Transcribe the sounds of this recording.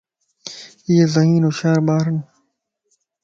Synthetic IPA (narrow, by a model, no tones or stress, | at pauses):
iːezɐɦiːnoːʃaːɾbaːɾən